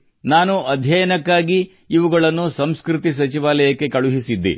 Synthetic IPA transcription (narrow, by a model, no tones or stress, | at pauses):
naːnuʔɐd̪ʱjɐjɐnɐkːaːɡiː | ʋuɡɐɭɐnːusɐmskɾut̪is̬ɐt͡ʃiʋaːlɐjɐkːe̞kɐɭuɦisid̪ːḭ